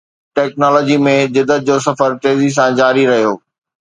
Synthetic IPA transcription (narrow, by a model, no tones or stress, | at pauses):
ʈɛːknɔːlɔːd͡ʑimẽd͡ʑɪd̪ʱət̪̚d͡ʑoːsɐfəɾʈ̪eːzis̬ãd͡ʑaːɾiɾɐɦijoː